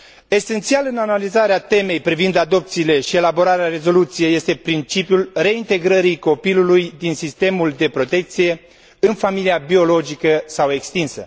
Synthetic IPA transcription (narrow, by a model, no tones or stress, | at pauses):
e̞se̞nt̪sialɨnanalizaɾeat̪e̞me̞jpɾivind̪ad̪o̞p̚t̪siːle̞ʃie̞labo̞ɾaɾeare̞zo̞lut̪sije̞jːe̞st̪e̞pɾint͡ʃipjulre̞int̪e̞ɡɾəɾiko̞pilulujd̪insist̪e̞muld̪e̞pɾo̞t̪e̞k̚t̪sije̞ | ɨnfamiliabio̞lo̞d͡ʒikəsawe̞kst̪insə̰